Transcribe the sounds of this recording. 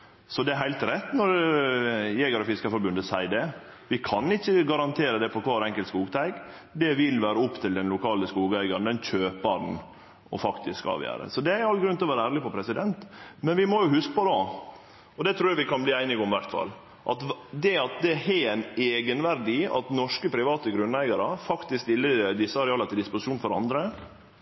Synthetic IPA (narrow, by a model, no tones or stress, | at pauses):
sɔd̪ɛæɾɦæɪlt̪ɾɛt̪ːnɔɾ | jɛɡəɾɔfɪskəfɔɾbʉnd̪əsæɪd̪ɛ | ʋɪkʰɑnɪçːəɡɑɾɑnt̪ʰeːɾəd̪ɛpʰɔkʰʋɑːɾɛŋkəlt̪skuːɡt̪ʰæɪɡ | d̪ɛʋɪlʋæːɾəɔpːt̪ʰɪld̪ɛnlʊkʰɑːləskuːɡæɪɡɑɾnd̪ɛnçøːpɑɾn | ɔ̰fɑkt̪ɪskɑ̰ːʋjæ̰ːɾə̰sɔd̪ɛæɾɑlɡɾʉnt̪ɪlɔʋæːɾəæːɾɭɪpɔpʰɾɛsɪd̪ɛnt̪mɛnʋɪmɔjʊhʉskə̥pɔd̪ɑ | ɔd̪ɛt̪ʰɾuːɾjɑʋɪkʰɑnbliːæɪnɪɡɔmʋæɾt̪fɑ̰lː | ʔɑt̪d̪ɛɑt̪̚d̪ɛɛæɪneːɡənʋæɾd̪ɪɑ̰t̪nɔʂkəpʰɾɪʋɑːt̪əɡɾʉnæɪɡɑɾəfɑkt̪ɪsk̪ʋɪlːəd̪ɪsːəɑɾɛɑːlɑt̪ʰɪld̪ɪspʊsɪuːnfɔɾɑ̰nd̪ɾə